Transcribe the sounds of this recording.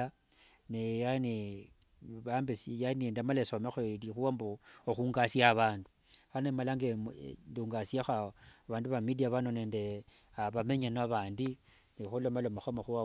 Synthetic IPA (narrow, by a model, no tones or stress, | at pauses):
a | nejane | βambesjaniendamalesomexolixuambooxuːŋɡasiaβaːndu | anemalaŋɡenduːŋɡasjaxaβaːnduβamidiaβanoneːnde | aβame̞ɲanaβaːndi | nixulomalomaxomaxua